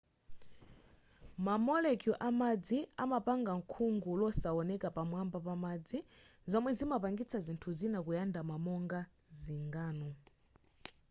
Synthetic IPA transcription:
mamɔlɛkjɔʔamad͡ziamapaŋɡaŋ̩kʰuŋɡulɔsaɔnɛkapamwambapamad͡zi | zɔmwɛzimapaŋɡit͡sʰazintʰuzinakujandamamɔŋɡa | ziŋɡaːnɔ

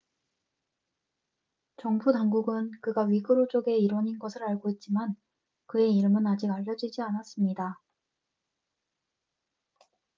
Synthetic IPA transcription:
t͡ɕʌŋpʰutaŋɡuɡɯnkɯɡaɥiɡɯɾot͡ɕ͈oɡe̞iɾʌɲinɡʌsʰɯɾaɭɡoit̚t͡ɕ͈iman | kɯe̞iɾɯmɯnad͡ʑiɡaʎːʌd͡ʑid͡ʑianas͈ɯmɲida

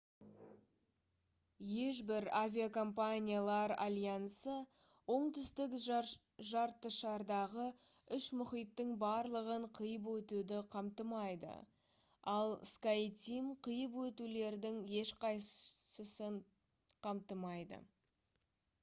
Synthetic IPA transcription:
je̞ʃbɪɾavʲiakʰo̞mpanʲijalˠɑɾa̰lʲjansə | wo̞ɴt̪ʏst̪ɪk | ʒɑɾt̪ːəʃɑɾd̪ɑʁə | ʏʃmʊχijt̪ːɪŋbɑɾlˠəʁəɴqʰəjəp̬wɵt̪ud̪ɪqʰɑmt̪əmɑjd̪ə̰ | ɑlˠskajt̪ʲimqʰəjəp̬wɵt̪ule̞ɾd̪ɪŋje̞ʃqʰɑjsəsəɴ | qʰɑmt̪əmɑjd̪ə̰

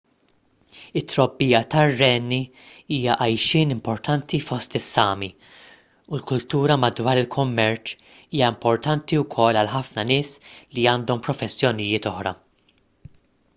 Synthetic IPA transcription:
ɪt̪ːɾɔbːiːjɐt̪ɐrːɛːnːi | iːjɐʔɐjʃɪːnɪmpɔɾt̪ɐnt̪ifɔst̪ɪsːɐːmi | ulkʊlt̪uːɾɐmɐd̪wɐːɾɪlkʰʊmːɛɾt͡ʃ | iːjɐɪmpɔɾt̪ɐnt̪iwkʰɔlːɐlħɐfnɐnɪːsliɐːnd̪ɔmpɾɔfɛsːjɔnɪjɪːt̪ɔħɾɐ̰

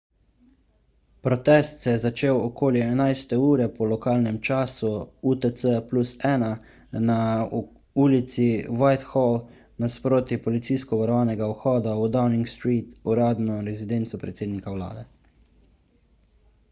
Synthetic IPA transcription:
pɾɔt̪ɛst̪sɛjɛzat͡ʃeːwɔkoːljɛɛnajst̪ɛuːɾɛpɔlɔkaːlnɛmt͡ʃaːsuut̪əsəplusɛːna | na | uːlit̪siwajt̪xɔl | naspɾoːt̪ipɔlit̪siːskɔʋaɾɔʋaːnɛɡaɔxɔːd̪aud̪awniŋkst̪ɾiːt̪uɾaːd̪nɔɾɛzid̪ent̪sɔpɾɛt̪seːd̪nikawla̰ːd̪ɛ

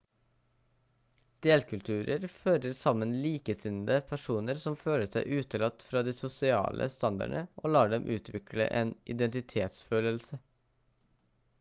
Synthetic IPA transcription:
d̪̥eːlkʰʉlt̪ʰʉːɾəɾføːɾəɾsɑmənliːkəsɪnd̪əpʰæʂuːnəɾsɔmføːləʂæɪʔʉːt̪əlɑt̪fɾɑːd̪iːsʊsɪɑ̰ːlʔə̰st̪ɑnd̪ɑ̰ɳəʔoːlɑːɖɛmʔʉːt̪ʰʋɪkɽə̰ʔeːnʔɪ̰d̪ɛnt̪ɪt̪ʰeːt̪sføːləlsə

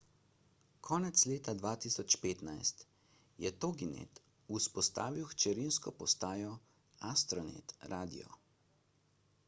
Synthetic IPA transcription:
kʰɔːnɛt̪sleːt̪ad̪ʋaːt̪iːsɔt͡ʃpeːt̪najst̪ | jɛt̪oɡinḛt̪ | uspɔst̪a̰ːʋiwxt͡ʃɛɾinskɔpɔst̪aːjɔ | ast̪ɾɔnḛt̪ɾaːd̪ḭɔ̰

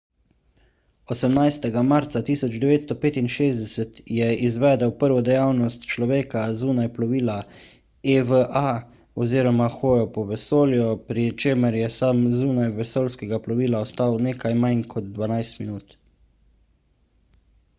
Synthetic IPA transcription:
ɔsɛmnajst̪ɛɡamaɾt̪sat̪iːsɔd͡ʒd̪ɛʋeːt̪st̪ɔpeːt̪inʃeːzd̪ɛsɛt̪jɛizʋɛːd̪ɛwpəɾʋɔd̪ɛjawnɔst̪t͡ʃlɔʋeːkazuːnajplɔʋiːla | eʋəʔa | ɔziːɾɔmaxoːjɔpɔʋɛsoːljɔpɾit͡ʃeːməɾjɛsaːmzuːnajʋɛsoːlskɛɡaplɔʋiːlaɔst̪awneːkajmajnkʰɔd̪d̪ʋanajst̪minuːt̪

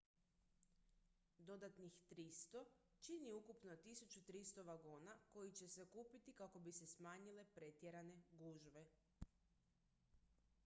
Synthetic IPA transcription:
d̪o̞d̪at̪nixt̪ɾist̪o̞ | t͡ʃiniukupnot̪isut͡ɕut̪ɾist̪oʋaɡoːnako̞jit͡ɕe̞se̞kuːpit̪ikako̞bise̞smaːɲile̞pɾe̞t̪jeɾane̞ɡuːʒʋe̞

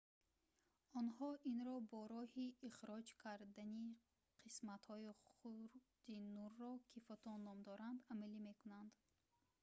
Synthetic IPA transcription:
ɔnhɔʔinɾɔbɔɾɔhiːχɾɔd͡ʒkʰaɾd̪ani | qʰismat̪hɔiχχuɾd̪̥inuɾːɔkʰifɔt̪ʰɔnːɔmd̪ɔɾand̪amalime̞kunand̪

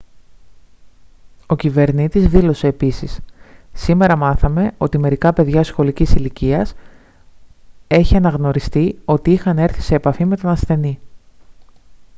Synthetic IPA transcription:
o̞cive̞ɾnit̪izðilo̞se̞ːpisissime̞ɾɐmɐθɐme̞o̞t̪ime̞ɾikɐpe̞ðʝɐsxo̞licisiliciɐs | e̞çiɐnɐɣno̞ɾist̪io̞t̪iixɐne̞ɾθi̥se̞ːpɐfime̞t̪o̞nɐsθe̞ni

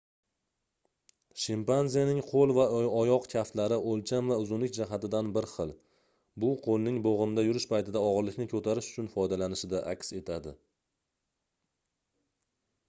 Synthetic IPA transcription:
ʃɪmpanzijanɪŋqʰolˠvaɒjɒqkʲʰaft̪laɾɪʔolˠt͡ʃʰamvaʊzʊnlɪk̚ʲd͡ʒaɦat̪ɪd̪anbɪɾχɨlˠ | bʊqʰolˠnɪŋboʁɨmd̪ajʊɾɪʃpʰajt̪ʰɪd̪aɒʁɨɾlɪkʲnɪkʰʲɵt̪ʰaɾɪʃʊ̥t͡ʃʰʊnfɒjd̪alanɪʃɪd̪aʔakʲse̞t̪ʰad̪ɪ

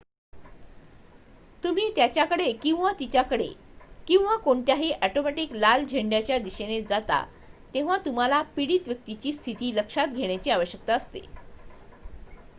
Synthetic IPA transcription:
t̪um̤iːt̪jat͡ɕjakəɽekĩw̃ʋat̪it͡ɕjakəɽḛkĩw̃ʋakoɳt̪jaɦiːʔæʈomæʈiːklald͡ʑʱeɳɖjat͡ɕjad̪iɕened͡zat̪a̰ | t̪ẽʋ̤at̪um̤alapiɽiːt̪ʋjək̚t̪it͡ɕiːst̪ʰit̪iːləkʂat̪ɡʱeɳ̃jat͡ɕiːaʋəɕjək̚t̪aəst̪ḛ

